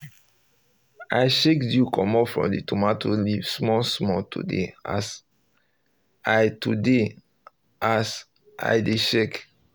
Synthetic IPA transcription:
aɪʃekdjukʰɔ̃mɔpfɹɔ̰̃mditumatolivsmɔsmɔtʰṵdḛa̰s | aɪtude | ʔas | ʔa̰ɪdeʃek

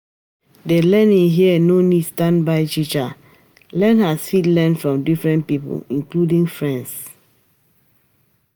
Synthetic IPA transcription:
delɛnĩŋɦiənonidstãnbaɪt͡ʃit͡ʃa | lɛnhasfitlɛnfɹɔ̃mdifɹɛ̃npipo̰lĩnkludĩŋfɹɛ̃ns

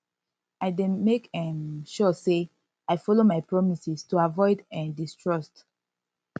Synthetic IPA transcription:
aɪdẽmekɛ̃nʃɔse | aɪfɔlomajpɹɔmisistuavɔɪdɛ̃ndistɹɔst

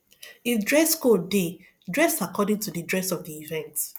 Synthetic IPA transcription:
ifdɹɛskode | dɹɛsakʰɔdɪ̃ŋtudədɹɛsɔvdiivɛ̃nt

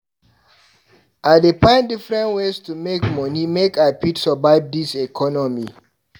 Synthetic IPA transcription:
ʔadepãɪ̃ndifɹɛ̃ntwestumekmɔnimekapitsɔbaɪb̚disekʰɔnɔmi

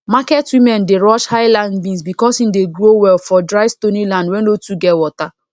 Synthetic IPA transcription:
makɛtwĩmɛ̃ndeɹɔʃhaɪlãndbĩnsbikɔsĩmdeɡɹowɛlfɔdɹaɪstonilãndwɛ̃nlotuɡɛtwɔta

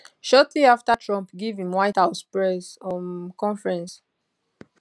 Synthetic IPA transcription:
ʃɔtliaftatʰɹɔ̃mpɡivĩmwajthaʊspɹɛsɔ̃nkɔ̃nfɹɛ̃ns

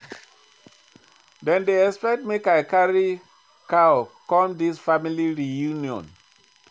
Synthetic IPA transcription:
dɛ̃ndeɛspɛktmekaɪkaɹi | kaʊkɔ̃mdisfamiliɹijuniɔ̰̃n

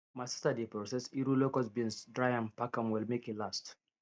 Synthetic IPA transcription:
mastadipɹosɛsiɾulokalsbinsdɹajãnpakãmwilmekilast

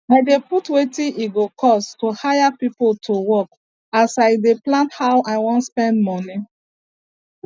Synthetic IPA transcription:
ajdeputwetĩʔiɡokʰɔstohajapipoltʰowɔk | asaɪdeplãnthawaɪwɔ̃ntspɛ̃ndmɔni

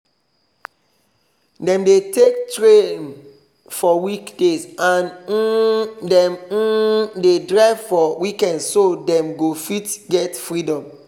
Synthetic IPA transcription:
dɛ̃mdetek̚tɹẽn | fɔwikdesãn | dɛ̃m̩dedɹaɪvfɔwikɛ̃ndsodɛ̃mɡofitɡɛtfɹidɔ̃m

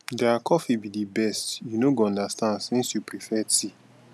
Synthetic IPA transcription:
dakʰɔfibidibɛstjunoɡoɔ̃ndastãnsĩnsjupɹifɛsi

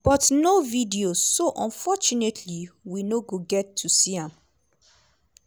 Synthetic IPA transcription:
b̥ɔtnovidiozːoʔɔ̃nfɔt͡ʃunetʰliwinoɡoɡɛtʰːusiãm

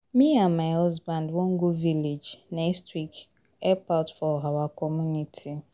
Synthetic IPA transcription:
miamaɔzbãndwoŋ̩ɡuviled͡ʒnɛstwik | ɛpaltfɔɦawakɔmunitʰi

